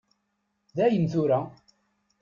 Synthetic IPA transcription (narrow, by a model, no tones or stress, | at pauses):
ðæjənθuɾæ